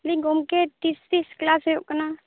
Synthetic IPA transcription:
liɡomket̪ist̪isklaːsjokna

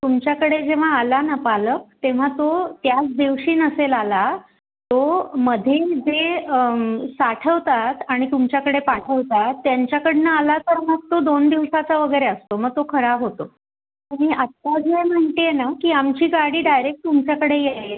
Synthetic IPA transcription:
t̪umt͡ɕjakəɽed͡ʑeʋ̤aːlanəpalək̚t̪eʋ̤at̪ot̪jat͡sd̪iʋɕiːnəselala | t̪oməd̪ʱjed͡ze | saʈʰəʋt̪at̪aɽ̃it̪umt͡ɕjakəɽepaʈʰəʋt̪at̪ːjaɲt͡ɕjakəɽnəalat̪əɾməɡ̚t̪od̪ond̪iʋʂat͡saʋəɡəjɾeəst̪oməɡ̚t̪okʰəɾaɦot̪o | aɽiat̪ːad͡zem̤əɳt̪ejenakiːamt͡ɕiːɡaɽiːɖajɾek̚ʈ̚t̪umt͡ɕjakəɽejele

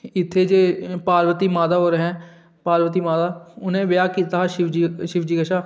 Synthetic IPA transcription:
ɪt̪ʰːeːd͡ʒeːpaːɾʋət̪iːmaːd̪aːɦoːɾeɦɛ̃ː | paːɾʋət̪̬iːmaːd̪aːʊnẽːʋɪjaːkiːt̪aːaʃɪʋd͡ʒiʃɪʋd͡ʒiːɡəʃaː

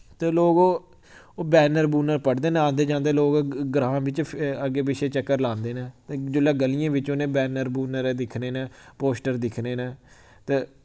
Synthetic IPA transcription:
t̪eːloːɡoː | oːbɛːnəɾbuːnəɾpəɽd̪eːnẽãːnd̪eːd͡ʒãːnd̪eːloːɡɡɾãːʋɪt͡ʃəɡeːbɪʃeːt͡ʃəkːəɾlãːnd̪eːnɛ̃ːd͡ʒʊlaːɡəlijãːʋɪt͡ʃoːnẽːbɛːnəɾbuːnəɾd̪ɪkʰneːnẽːpoːsʈəɾd̪ɪkʰneːneː | t̪eː

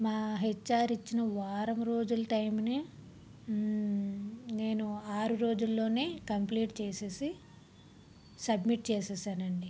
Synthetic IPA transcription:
maːɦet͡ʃːaːɾit͡ʃːinɐʋaːɾɐmɾo̞ːd͡ʒulɐʈɐjmne | ne̞ːnuaːɾuɾo̞ːd͡ʒulːo̞ːneːkɐmpliːʈt͡ʃeːse̞ːsi | sɐbmiʈ̚t͡ʃɛːsɛːsaːnɐɳɖi

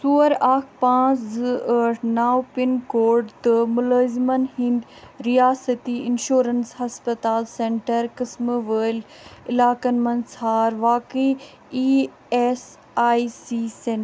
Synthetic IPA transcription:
suːəɾaːkʰpãːt͡szəʈʰnaːwpɪnkoːɾɖt̪ɨmʊləːzmənhɪ̃nd̪ | ɾijaːsət̪iɪnʃuːɾənsɦɐspət̪aːlsẽːɳʈəɾkɪsməʋəːl | ɪlaːkənmɐnsaːɾʋaːki | iː | es | aːisisẽ

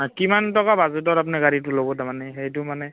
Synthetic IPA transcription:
kimantɔkabazutɔtap̬nɛɡaɹit̬ʊlobɔtamanɛxejt̬ʊmanɛ

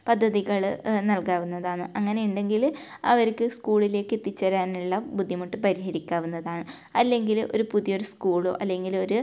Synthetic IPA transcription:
pɐd̪ʱːɐðiɣɐɭnɐlkaːʋunːɐðaːɳɨʔɐŋːɐne̞juɳɖe̞ŋɡil | ɐʋɐɾkːɨskuːɭile̞ːkːɨet̪ːit͡ɕːɐɾaːnuɭːɐbud̪ʱːimɐʈːɨpɐɾiɦɐɾikʲːaːʋunːɐðaːɳɨ | ɐlːe̞ŋɡilo̞ɾupuðijo̞ɾuskuːɭo̰ːʔɐlːe̞ŋɡilo̞ɾu

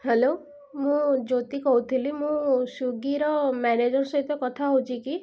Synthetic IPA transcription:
hɛlo | mũd͡ʒot̪ikɔɦut̪ʰilimũsuɡiɾɔmɛned͡ʒɔɾsɔɦit̪ɔkɔt̪ʰaɦot͡ʃʰiki

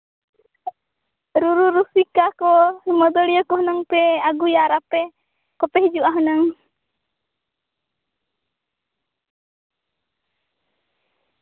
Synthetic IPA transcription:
ɾuɾuɾusikakɔimɔd̪ɔliɔkɔɦənaŋpɛaɡujaɾapɛ | kɔpɛhid͡ʒuʔaɦɔnaŋ

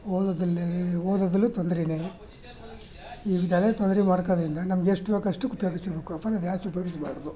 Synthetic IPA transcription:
od̪d̪ɐloːd̪ɐd̪ɐlːut̪ond̪ɐɾineː | iːʋid̪ʱalet̪ond̪ɐɾimaːɽkod̪ɐɾind̪ɐnɐmɐɡeeʂʈːubeːɡɐʂʈːukupɐjoːɡisɐbeːkuɐpːɐnɐd̪jaːsɐpoɾismaːɽod̪u

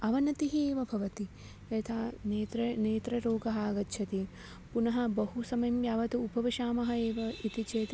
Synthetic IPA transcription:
ɐʋɐnɐt̪iɦieːʋɐbʱɐʋɐt̪i | jɐt̪ʰaːnːt̪ɾɐneːt̪ɾɐɾoːɡɐɦaːɡɐtːʃʰɐt̪i | punɐɦɐbɐɦusɐmɐjmjaːʋɐt̪uupɐʋiʃaːmɐɦɐeːʋɐit̪it͡ʃeːt̪

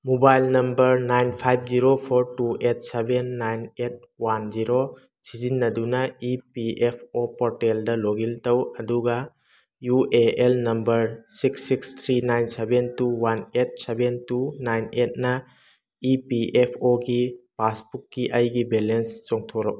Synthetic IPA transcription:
mubajlnɐmbɐɾnajnpʰajb̚ʰziɾopʰoɾtuet̚sebenːajnet̚ | wand͡ʒiɾo | sizinːɐdunɐipiʔepʰopɔɾteldɐloɡiltɐwɐduɡɐ | juʔeelnɐmbɐɾsiksikst̪ʰɾinajnsebentuwanet̚sebentunajnet̚nɐ | ipiʔepʰoɡipasbukːiʔɐjɡibelenst͡ʃɔŋtʰoɾaw

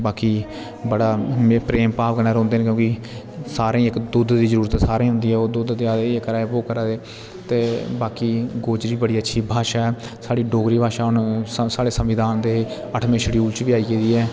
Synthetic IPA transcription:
baːkiː | bəɽaːpɾeːmpaːpkənɛːɾõːnd̪eːnkjõːki | saːɾẽːɪkd̪ʊd̪d̪iːzəɾuːɾət̪ːsaːɾẽːɦʊ̃nd̪iːɛːoːd̪ʊd̪d̪eːaːd̪eekəɾaːeboːkəɾaːd̪eː | t̪eːbaːkiːɡoːd͡ʒɾiːbəɽiːətːʃʰiːbʱaːʃaːɛː | saːɽiːɖoːɡɾiːbʱaːʃaːʊnsaːɽeːsəmʋɪd̪aːnd̪eː | əʈʰmẽːʃəɽiuːlt͡ʃʋiːaːiːɡeːd̪iːɛː

